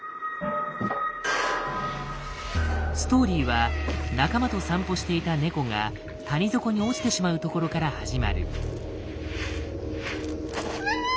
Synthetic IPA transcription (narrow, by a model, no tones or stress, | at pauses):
sɨ̥t̪o̞ːɾʲiːβanakamat̪o̞sãmpo̞ɕi̥t̪e̞it̪ane̞ko̞ŋa | t̪aɲ̟izo̞ko̞ɲ̟io̞ki̥t̪e̞ɕimaɯ̟t̪o̞ko̞ɾo̞kaɾahaʑima̰ɾɯ̟